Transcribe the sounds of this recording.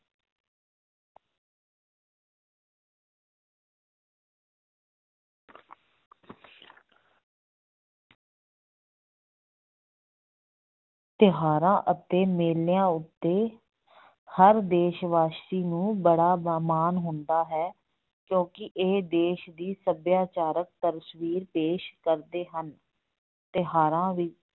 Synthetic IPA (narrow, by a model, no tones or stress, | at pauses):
t̪ɪɦaːɾãːʔət̪eːmeːlɪjãːʊt̪ːeː | həɾd̪eːʃʋaːst̪iːnũːbəɽaːbaːmaːnɦʊ̃nd̪aːɦɛː | kjõːkɪʔeːd̪eːʃd̪iːsəbjaːt͡ʃaːɾək̚t̪əɾsʋiːɾpeːʃkəɾd̪eːɦən | t̪ɪɦaːɾãːʋiː